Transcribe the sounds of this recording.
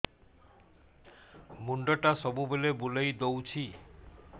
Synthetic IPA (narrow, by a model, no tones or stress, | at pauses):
muɳɖɔʈasɔbubulebulejd̪owt͡ʃʰi